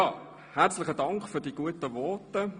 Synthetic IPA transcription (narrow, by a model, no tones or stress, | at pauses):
jɑː | hɛɐt͡slɪχədɑŋkχfyːɐdiːɡ̥uətəʋɔɐtə